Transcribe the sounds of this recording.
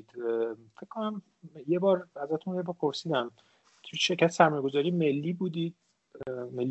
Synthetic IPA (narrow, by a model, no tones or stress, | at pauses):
d̪̥fekkʰonæm | jebɒːɾæzæt̪ʰunjebɒːɾpʰo̞ɾsiːd̪æm | t̪ʰujeʃe̞ɾcʰæt̪ʰesæɾmɒːjeɡo̞zɒːɾijeme̞lːiːbuːd̪iːd̪̥̚ | me̞lː